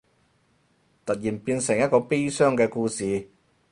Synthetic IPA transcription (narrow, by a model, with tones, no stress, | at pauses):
t̪ɐ˨t̚jiː˨˩npiː˧nsɪ˨˩ŋjɐ˥t̚kɔː˧pe˥jsœː˥ŋkɛː˧kuː˧siː˨